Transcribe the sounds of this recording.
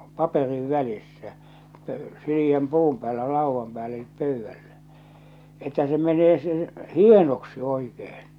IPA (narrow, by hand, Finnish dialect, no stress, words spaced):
pɑperiʋ ʋælisːæ pø̥ẙ siliæm puːm pæːlːæ lɑˑuʋːɑm pæːlː elip pøˑyʋːælːæ etːæ sĕ meneː se hienoksi oikehe̥n̥